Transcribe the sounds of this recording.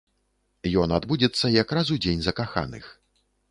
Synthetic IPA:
jɔnad̪bud͡zʲɛt̪sːɐjakrazud͡zʲenʲzɐkaxa̰nɨ̰x

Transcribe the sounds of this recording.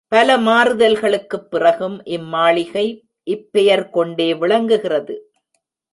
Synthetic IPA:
pɐlɐmaːɾɯðɐlɣɐɭɯkːɯpːɪrɐɣɯmʔɪmːaːɭɪɣɐɪ | ʔɪpːɛjɐɾkɔɳɖeːʋɪɭɐŋɡɯɣɪrɐðɯ

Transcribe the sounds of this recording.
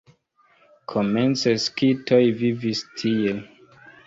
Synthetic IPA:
kʰoment͡seskitʰojvivistʰie

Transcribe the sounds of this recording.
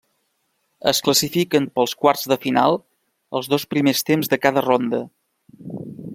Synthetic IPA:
ə̰skləsifikənpəlˠskwaɾzðəfina̰lˠ | ə̰lˠzðospɾimest̪emzðəkaðərond̪ə

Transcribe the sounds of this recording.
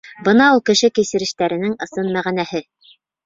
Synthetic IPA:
bɤnɑulˠkɘ̆ʃɘkisɘ̆ɾɘ̆ʃt̪æɾɘ̆nɘŋɤ̆sɤnmæʁænæhɘ

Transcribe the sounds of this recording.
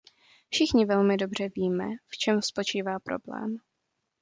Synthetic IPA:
fʃɪxɲɪvɛlmɪdo̞br̝̥ɛviːmɛ̰ft͡ʃɛmspo̞t͡ʃiːvaːpɾo̞̰blɛ̰ːm

